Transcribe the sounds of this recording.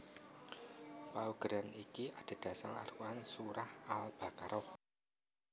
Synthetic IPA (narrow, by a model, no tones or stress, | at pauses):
pauɡ̥ɾanikiʔad̥a̤d̥a̤sala̰ruansuɾahalb̥akaɾɔh